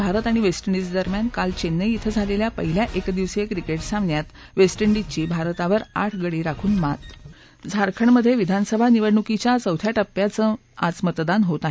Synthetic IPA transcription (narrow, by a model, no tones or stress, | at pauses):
bʱaɾət̪aɽ̃iʋesʈəɳɖid͡zd̪əɾmjankalt͡ɕenːəit̪ʰəd͡zʱaleljapə̰ɦiljaʔekd̪iʋsekɾikeʈsamnjat̪ | ʋesʈəɳɖit͡ɕiːbʱaɾt̪aʋəɾa̰ʈʰɡəɽiːɾakʰuːnmat̪ | d͡zʱaɾkʰəɳməd̪ʱːjeʋid̪ʱansəbʱaniʋəɽɳukit͡ɕjat͡səwt̪ʰjaʈəpːjat͡səː | at͡smət̪d̪anɦot̪aɦ